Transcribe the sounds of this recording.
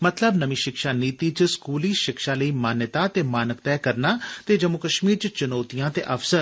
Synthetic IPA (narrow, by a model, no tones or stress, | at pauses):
mɐt̪ləbnəʋĩʃɪkʃaːniːt̪iːt͡ʃəskuːliːʃɪkʃaləiːmaːnjət̪at̪eːmaːnəkt̪ɛːkəɾnaːt̪eːd͡ʒəmukəʃmiːɾt͡ʃt͡ʃʊnoːt̪ijãːt̪eʔɐfsəɾ